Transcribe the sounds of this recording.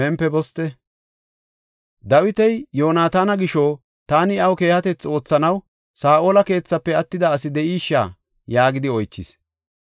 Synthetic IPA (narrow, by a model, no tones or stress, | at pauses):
ɛmpːɛbɔst̪ɛ | d̪ɐwɪt̪ɛjjo̞ːnaːt̪aːnɐɡɪʃo | t̪aːnɪɐwke̞ːhɐt̪ɛt͡so̞ːt͡sːɐnɐw | saːʔo̞ːlɐke̞ːt͡sːɐpːɛɐt̪ːɪd̪ɐːsɪd̪ɛʔiːʃːa̰ː | jaːɡɪd̪ɪɔjt͡ʃːɪ̰s